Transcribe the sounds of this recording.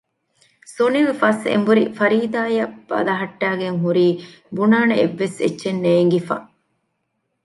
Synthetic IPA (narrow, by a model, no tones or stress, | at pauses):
soniʋefɐsḛmbuɾifɐɾiːd̪aːjɐb̥ɐ̰lɐɦɐʈːæːɡeŋɦuɾiː | bunaːneeʋːesḛtːʃenːeːŋɡifɐ̰